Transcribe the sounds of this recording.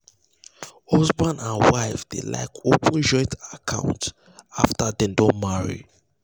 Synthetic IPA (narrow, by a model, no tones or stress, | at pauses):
hɔzbãnãnwaɪfd̥ḛla̰ɪkʰopʰə̃nd͡ʒɔɪtakʰã̰ʊ̃nt | aftadɛ̃ndõnmaɹḭ